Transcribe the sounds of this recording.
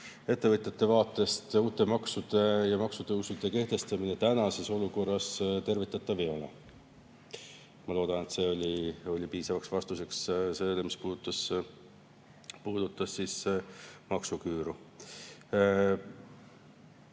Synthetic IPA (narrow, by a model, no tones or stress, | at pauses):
e̞t̪ːe̞vɤt̪ʲjɑt̪ːˑe̞vɑːt̪ːˑe̞st̪uːt̪ˑe̞mɑksud̪̥e̞jɑmɑksut̪ɤwsud̪̥eke̞ht̪e̞st̪ɑminet̪ænɑse̞so̞luko̞rːɑst̪e̞rvit̪ːˑɑt̪ːˑɑvio̞lɑ̰ | mɑlo̞ːd̪̥ɑne̞t̪se̞o̞lʲio̞lʲipiːsɑvɑksvɑst̪use̞ksselemispuːd̪̥ut̪ːˑɑs | puːd̪̥ut̪ːˑɑsːiːs | mɑksukyːɾu